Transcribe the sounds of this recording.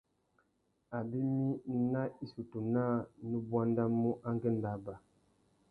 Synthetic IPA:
a˨bi˦mi˦na˦i˦su˨tu˨na˦nu˦bwa˦n˦da˦mu˦ʔa˦ŋ˦ɡɛ˦n˨da˨ba˨

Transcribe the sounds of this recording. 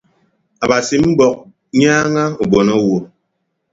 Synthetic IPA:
a˨ba˨si˨m̩˦bɔ˨k̚ | ɲaː˦ŋa˦u˨bɔ˨nɔ˦wo˨

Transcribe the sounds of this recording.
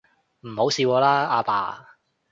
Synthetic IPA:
m̩˨˩ho˨˥wsiː˧kɔː˧laː˥aː˧pa̰ː˧

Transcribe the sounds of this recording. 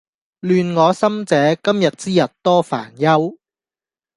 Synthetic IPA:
lyː˨˧nŋɔː˨˧sɐ˥mt͡sɛː˨˧kɐ˥mjɐ˨t̚t͡siː˥jɐ˨˩t̚t̪ɔː˥fa̰ː˨˩njɐ˥w

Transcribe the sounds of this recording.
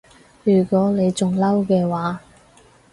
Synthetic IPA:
jyː˨˩kʷɔː˨˥le˨˧jt͡sʊ˨ŋlɐ˥wkɛː˧waː˨˧˦

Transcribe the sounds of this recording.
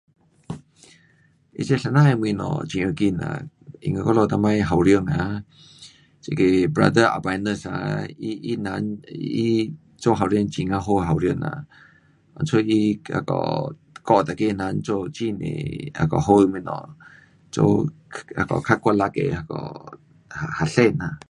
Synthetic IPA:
ʔḭ˧t͡ʃe˦˧ɬa˧na˦e˧m˧˨nɔ̰˨t͡ʃi˨˧ə˧ki˦˧na̰˨ | ḭ˨ŋa˧kɔ˦lɔ˧t̪a˧ma˧jɦa˨wɾjə˧˨ŋa˨ | t͡ʃe˧˨ke˧bɾa̰˧d̪ə˦a̰˨ba˧jnə˧sa̰˧ii˦na˧ni˦ | t͡ʃo˦˧ɦa˨wɾjə˧ŋt͡ʃi˧ŋa˧ɦo˧ɦa˨wɾjə˧na̰˨ | ʔɔ̰̃˨nt͡sʰo˧i˦ha̰˧kɔ̰˨ | kɔ˧t̪a˨ke˧na˨˧˦nt͡so˧t͡ʃi˦˧nḛ˨ha̰˨kɔ˨ɦo˦˧mi˧i˧˨nɔ̰˨ | t͡so̰˧ | ha˨kɔ̰˨kʰa˦kwa˧la˧kḛ˨ha˧kɔ̰˧ | haha˨ɬe˧na˨

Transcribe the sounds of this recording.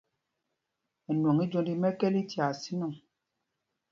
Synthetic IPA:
ɛ˨nwo˨ŋi˦d͡ʒo˦ndi˦mɛ˦kɛ˦li˦tja˨si˦nɔ˦˨

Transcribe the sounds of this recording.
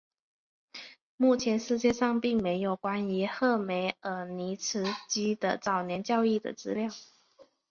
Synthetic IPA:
mu˥˩t͡ɕʰjɛ˧˥nʂɻ̩˥˧t͡ɕjɛ˥˧ʂɑ˥˧ŋpi˥˩ŋme˧˥ɪjo˨˩ʊkwa˥ni˧˥xɤ˥˩me˧˥ɪə˧˥ni˧˥ʈ͡ʂʰɻ̩˧˥t͡ɕi˥d̪ə̰˨t͡sɑ˨˩ʊnjɛ˧˥nt͡ɕjɑ˥˧ʊi˥˩d̪ə̰˩t͡sɹ̩˥ljɑ˥˩ʊ

